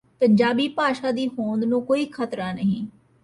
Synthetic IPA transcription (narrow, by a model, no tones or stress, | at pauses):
pəɲd͡ʒaːbiːpaːʃaːd̪iːɦõːnd̪nũːkoːiːkʰət̪ɾaːnəɦḭ̃ː